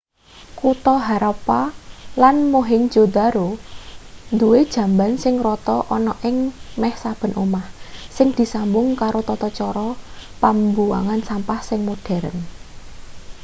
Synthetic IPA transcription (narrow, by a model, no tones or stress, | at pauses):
kut̪ɔɦaɾɔpalanmoɦɪnd͡ʒ̥od̪̥a̤ɾo | nd̪uwed̥ʒ̥ä̤mbansɪŋrɔt̪ɔʔɔnɔʔɪŋmɛhsab̥ə̤nʔomahsɪŋd̪̥i̤sambʊŋkaɾot̪ɔt̪ɔt͡ʃɔɾɔpambua̰ŋansampahsɪŋmod̥ɛ̤ɾə̰n